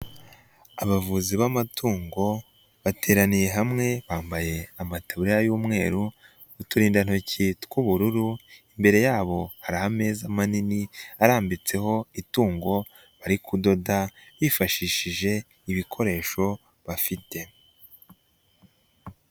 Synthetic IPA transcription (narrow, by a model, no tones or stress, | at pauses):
aβavuziβamatʰuːŋɡo̞ | βatʰe̞ːɾanije̞ɦamŋe̞βaːmbaje̞amataβuɾijajuːmŋe̞̰ːɾu | utuɾiːndan̥o̞citkuβuɾuɾuimbe̞ɾe̞jaːβo̞haɾahame̞ːzamaniniaɾaːmbit͡se̞ho̞ituːŋɡo̞ | βaɾikudo̞daβiːfaʃiːʃiʒe̞ | iβikʰo̞ɾe̞ːʃo̞ | βafite̞